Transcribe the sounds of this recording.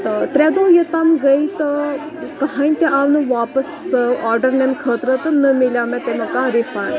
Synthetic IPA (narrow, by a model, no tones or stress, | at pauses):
t̪ət̪ɾɛd̪ojət̪aːmɡɐit̪ə | kɐɦãːinʲt̪eaːʋnɐʋaːpəsaːɾɖəɾnenkʰəːt̪ɾət̪ɐnəmiljaːmɛ̃t̪emɐkãɾifaːɳ